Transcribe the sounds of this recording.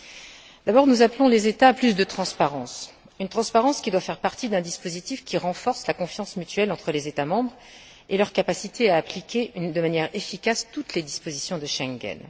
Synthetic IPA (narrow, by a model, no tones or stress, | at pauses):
d̪̥abɔʁnuzaplɔ̃lezet̪aplys̬d̪ət̪χɑ̃spaʁɑ̃s | ynt̪χɑ̃spaʁɑ̃skʲid̪wafɛʁpaʁt̪id̪ɛ̃d̪ispozit̪ifkʲiʁɑ̃fɔʁslakɔ̃fjɑ̃smyt̪ɥɛlɑ̃t̪χəlezet̪amɑ̃bʁ | elœʁkapasit̪ʰeaːplikʲeynd̪əmanjɛʁefikʲast̪ut̪led̪ispozisjɔ̃d̪əʃɛ̃ŋɡʲɛ̰n